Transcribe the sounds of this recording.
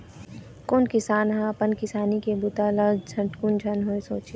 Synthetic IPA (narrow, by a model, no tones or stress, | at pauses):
konkɪsaːnɦãpɐnkɪsaːnikebʊt̪aːlad͡ʒʰʱɐʈkund͡ʒʱɐnɦoːeso̰ːt͡ʃi